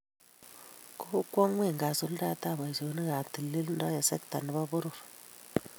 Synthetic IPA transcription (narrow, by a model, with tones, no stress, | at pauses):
ku˦u˦kʷːo˦ŋwe˦˨ŋɡa˨su˦lda˦ta˦˨ba˨so˨˦ni˦ka˨ti˨lːi˦lnda˦ja˨sɛ˦kta˨ni˦ba˦bʊ˦ɾu˨ɾ